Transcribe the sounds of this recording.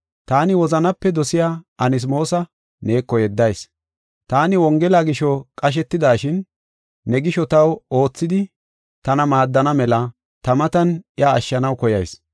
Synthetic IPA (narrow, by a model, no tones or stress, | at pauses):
t̪aːnɪwɔzɐnɐpːɛd̪ɔsɪjaːɐnɪs̬mo̞ːsɐ | ne̞ːkːɔjɛd̪ːɐjs | t̪aːnɪwɔŋɡɛlaːɡɪʃɔkʼɐʃ̬ɛt̪ːɪd̪aːʃɪnː | ɛɡɪʃɔt̪ɐwo̞ːt͡sːɪd̪ɪ | t̪ɐnɐmaːd̪ːɐnɐmɛlɐ | t̪ɐmɐt̪ɐnɪaɐʃːɐnɐwkɔjɐjs